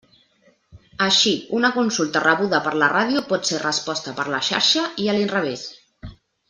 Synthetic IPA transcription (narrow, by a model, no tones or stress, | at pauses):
əʃiunəkunsulˠt̪ərəβuðəpəɾləraðiupɔt̪serəspɔst̪əpəɾləʃa̰ɾʃəiəlinrəβ̞es